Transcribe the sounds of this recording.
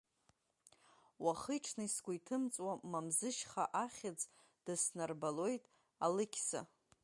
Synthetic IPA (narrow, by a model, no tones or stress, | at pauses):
waχɨjʈ͡ʂʰnaisɡʷaitʰɨmt͡sʼwamamzɨʃχaʔaχʲad͡z | d̥ɨsnarbalo̞jtʼ | alɨkʲʰsa̰